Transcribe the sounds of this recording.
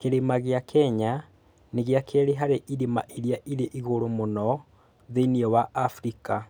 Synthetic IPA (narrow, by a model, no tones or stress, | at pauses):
keɾemaɣeakʰɛɲa | neɣjakʰɛɾeɦaɾeʔiɾema̰ʔeɾjaʔiɾeʔiɣoɾomonɔ | ðeiniɔwaafɾika